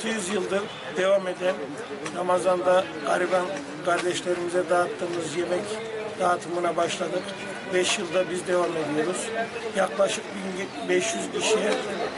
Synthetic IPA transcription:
t̪ʰɯjyzjɯlˠd̪ɯɾ | d̪e̞vame̞d̪æn | ɾamazand̪a | aɾiban | kʰaɾd̪ɛʃlʲe̞ɾimizɛd̪aːt̪ʰːɯːmɯzjemɛc | d̪̥aːt̪ʰɯmɯnabaʃlˠad̪ɯk | bɛʃjɯlˠd̪abizd̪e̞vame̞d̪ijo̞ɾuz̥jaklˠaʃɯk̚bin | bɛʃjyzcʰiʃijɛ

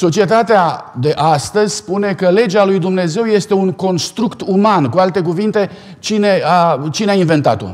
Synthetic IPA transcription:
so̞t͡ʃie̞t̪at̪ead̪e̞ʔast̪əzʲspune̞kəle̞d͡ʒalujd̪umne̞ze̞wje̞st̪e̞uŋko̞nst̪ɾukt̪umankualt̪e̞k̬uvint̪e̞ | t͡ʃine̞at͡ʃineainve̞nt̪a̰t̪o̞̰

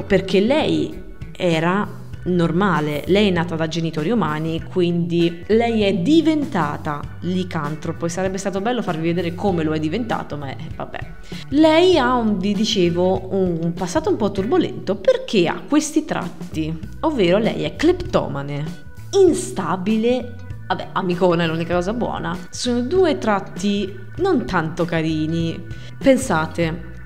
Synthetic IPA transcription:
perk̟elɛj | ɛːɾa | normaːlelɛjɛnːaːt̪ad̪ad͡ʒenit̪oːɾiumaːnikʰwind̪i | lɛjɛd̪ivent̪aːt̪alikant̪ɾopoesaɾɛbːest̪aːt̪obɛlːofarvived̪ɛːɾekʰomeloɛd̪ːivent̪a̰ːt̪oma | va̰bːɛ̰ | lɛjauvid̪it͡ʃeːvounmpasːaːt̪oumpɔt̪ːurbolɛ̰nt̪operk̟ʰea̰kːwest̪it̪ɾa̰t̪ːi | ovːeːɾolɛ̰jɛkːlept̪ɔ̰ːmane | inst̪aːbile | abɛ̰amikoːnaɛlːunikakɔːzabwɔ̰ːna | soːnod̪uːet̪ɾat̪ːi | nont̪ant̪okaɾiːni | pensaːt̪e

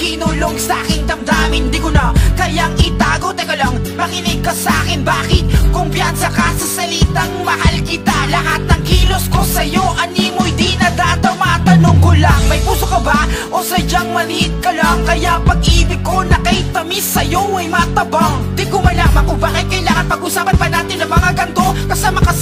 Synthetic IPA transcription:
kɪnuːloɡsɐʔakɪnd̪ɐmd̪aːmɪnd̪ikʊnɐkɐjaŋɪt̪aːɡot̪ɐjkɐlaŋpɐkɪnɪb̚kɐsɐʔaːkɪnbaːkɪt̪̚kʊmpjansɐkasɐsɐlit̪ɐŋmɐhalkɪt̪alɐɦat̪̚nɐŋkiːlo̞skosɐjo̞ʔɐniːmohɪd̪inɐd̪at̪ɐwmɐʔat̪ɐnoŋkolaŋmɐjpuːsokɐbaʔosɐd͡ʒaŋmɐlɪʔɪt̪̚kɐlaŋkɐjapɐɡʔiːbɪɡ̚kːo̞nɐkɐjt̪ɐmisːɐjowɐjmɐat̪ɐbaŋd̪ikomɐlaŋmɐʔʊbaːkɪt̪̚kɐjlaːhɐat̪̚pɐɡʔʊsaːpɐnpɐnaːt̪ɪnːɐŋmɐŋaɡɐnt̪o̞kɐsamɐkɐ

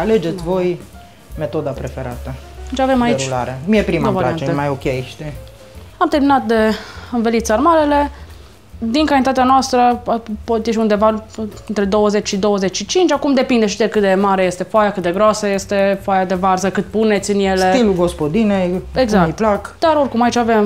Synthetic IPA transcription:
aled͡ʒet̪sʲvo̞j | met̪o̞d̪apɾefeɾa̰t̪ət͡ʃavemait͡ʃula̰ɾemijepɾimaovaɾiaaneemajokʲeʃt̪e | amt̪eɾminat̪̚d̪e̞ɨnvelit̪sarmaɾele̞ | d̪iŋkalnit̪at̪eanoast̪ɾəpot̪jeʃ̬iund̪e̞vaɨnt̪ɾe̞d̪o̞wəzet͡ʃʃid̪o̞wəzet͡ʃʲʃit͡ʃint͡ʃakumd̪e̞pind̪eʃid̪ekɨt̪̚d̪e̞maɾeje̞st̪e̞foajakɨt̪̚d̪e̞ɡɾoasəje̞st̪e̞foajad̪e̞varzəkɨt̪̚pune̞t̪sʲɨnje̞leiluɡospod̪ineeɡzakiplaktkd̪aɾo̞rkumait͡ʃave̞m

